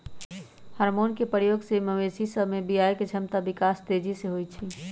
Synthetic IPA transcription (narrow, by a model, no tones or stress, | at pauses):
həɾmonkepəɾjoɡseməmesisəbmebijajket͡ʃʰəmt̪abikast̪ed͡ʒiseɦojt͡ʃʰi